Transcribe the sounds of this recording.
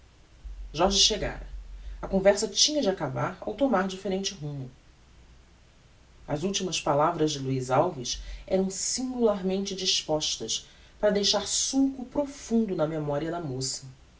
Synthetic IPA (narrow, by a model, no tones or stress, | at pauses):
ʒɔɾʒɪʃeɡa̰ɾɐɐkõvɛɾsɐt͡ʃĩɲɐd͡ʒɪakabaɾa̰wt̪omaɾd͡ʒifeɾẽnt͡ʃɪɦũmʊ | ɐzuwt͡ʃimɐspalavɾɐzd͡ʒɪluizawviʃɛɾɐ̃w̃sĩŋɡulaɾmẽnt͡ʃɪd͡ʒiʃpɔʃt̪ɐs | paɾɐd̪ejʃaɾsũkʊpɾofũnd̪ʊnɐmemɔɾiɐd̪ɐmosɐ̥